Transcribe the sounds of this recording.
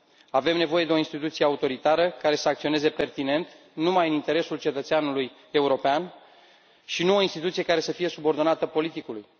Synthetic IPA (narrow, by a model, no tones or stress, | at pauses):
ave̞mnevo̞je̞d̪eo̞inst̪it̪ut̪sije̞aut̪o̞ɾit̪aɾəkaɾe̞səakt̪sio̞ne̞ze̞pe̞rt̪ine̞nt̪ | numajɨnint̪e̞ɾe̞sult͡ʃe̞t̪ət̪seanuluj | e̞uɾo̞pean | ʃinuo̞inst̪it̪ut̪sije̞kaɾe̞səfije̞subo̞rd̪o̞nat̪əpo̞lit̪ikuluj